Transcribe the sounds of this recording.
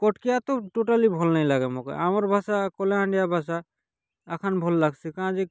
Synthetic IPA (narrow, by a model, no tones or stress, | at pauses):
kɔʈkijat̪oʈoʈalibʱɔlnajlaɡemɔ̃kḛʔamaɾbʱasakɔleɦãɳɖijabʱas̬a | ɛkʰanbʱɔlːaɡsikãzi